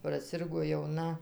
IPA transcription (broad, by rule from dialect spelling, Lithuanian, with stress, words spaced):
prɐˈsʲɪrɡoː jɛʊˈnɐ